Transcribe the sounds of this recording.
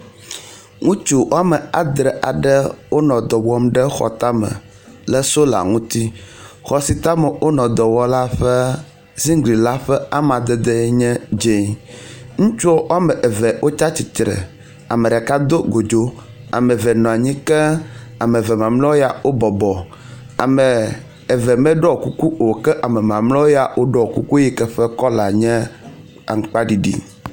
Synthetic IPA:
ŋũ˦t͡ʃu˦wʔo˦a˦mə˨a̰˨d̪ɾə˨ʔa̰˨ɖə˦wo˦nɔ̃˨d̪ɔ˨wɔ˦mɖə˦xɔ̰˨t̪a˦mə̰˨ | lə˦so˦la̰˨ŋũ˦t̪i˦xɔ˦si˨t̪a˦mə˨wo˦nɔ̃˨d̪ɔ˨wɔ˦la˦ɸɛ˦ | zi˦ŋ˦ɡli˨la˦ɸɛ˦a˦mã˨d̪ɛ˦d̪e˦ɲɛ̃˦d͡ʒe˦˨ | ŋũ˦t͡ʃu˦o˦ʔo˦a˦mə̃˨ʔe˨vɛ˨wʔo˦t͡ʃa˦t͡ɕi˨t̪ɾə̰˨ | a̰˨me˨ɖɛ˨ka˦d̪o˦ɡo˨d͡ʒo˦ | a̰˨me˨vɛ˨nɔ̃˨a˨ɲĩ˦kɛ˦a˨me˨vɛ˨mã˨mlɔ̃˦wo˦ja˨wo˦bɔ˨bɔ˨ | a̰˨mɛ˨ | e˨vɛ˨mɛ̃˦ɖɔ˦˨ku˦ku˦ʔo˨kɛ˦ʔa˨mɛ˨mã˨mlɔ̃˦wo˦ja˨wo˦ɖɔ˦˨o˨ku˦ku˦i˦kɛ˦ɸɛ˦kɔ˦la˨ɲɛ̃˦ | a̰˨ŋ̩˨k͡pa˦ɖi˨ɖḭ˨

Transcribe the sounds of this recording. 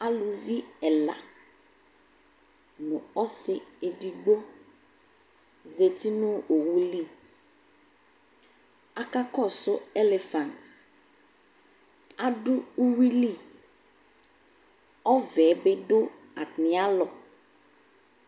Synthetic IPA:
a˨lu˨vi˦ɛ˨la̰˨ | nʊ̃˨ɔ˦sɪ˨e˨di˨ɡ͡bo˦ | ze˨t̪i˦nʊ̃˦o˨wu˦li˦˨ | a˨ka˦kɔ˦˨sʊ˦e˦le˨fã˨nt | a˨ɖʊ˦u˦wi˦li˦˨ | ɔ˦vɛ˨˦be˦ɖʊ˦ | a˨tnɪ˨a˦lɔ˨

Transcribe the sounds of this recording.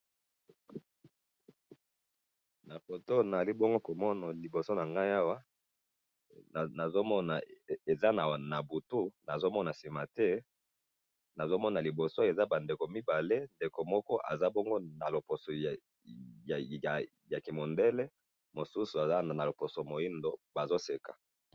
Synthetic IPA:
na˨ko˨to˦na˨a˨li˦bo˦ŋɡo˦ko˨mɔ˦na˨li˨bo˨so˦na˨ŋɡa˦ja˦wa˦˨ | na˨zo˦mɔ˦na˨e˨za˦na˨na˨bu˨tu˦na˨zo˦mɔ˦na˨si˨ma˨tɛ˦ | na˨zo˦mɔ˦na˨li˨bo˨so˦e˨za˦ba˨nde˨ko˨mi˦ba˨le˦nde˨ko˨mɔ˦kɔ˦ʔa̰˨za˦bo˦ŋɡo˦na˨lo˨po˨so˨ | ja˨ | ja˨ki˨mo˨nde˦lɛ˦ | mo˨su˦su˨a˨za˦na˨na˨lo˨po˨so˨mo˨ji˦ndo˦ba˨zo˦se˨kḁ˨

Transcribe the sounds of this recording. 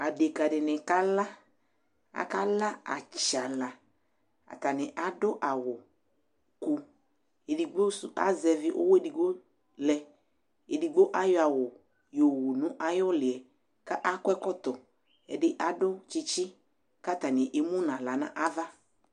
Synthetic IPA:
a˨de˨ka˨dɪ˨nɪ˨ka˦la˦ | a̰˨ka˦la˦a̰˨t͡ʃa˨la˨ | a̰˨t̪a˨nɪ˨ʔa˨dʊ˦ʔa˨wʊ˨ | ku˨˦ | e˨di˨ɡ͡bo˦su˨ʔa̰˦zɛ˨vɪ˦ʔo̰˦we˦di˨ɡ͡bo˦ | lɛ˨ | e˨di˨ɡ͡bo˦ʔa˦jɔ˦a˨wʊ˨ | jo˨wu˨nʊ̃˦ʔa˦jɔ˦lɪ˨ɛ˨ | ka˦ʔa˦kɛ˦kɔ˦t̪ɔ˨ | ɛ̰˨dɪ˦ʔa˦dʊ˦t͡ʃɪ˦t͡ʃɪ˦ | ka˦˨t̪a˨nɪ˨ʔe˨mũ˦nã˨la˨nã̰˦ʔa˦va˦

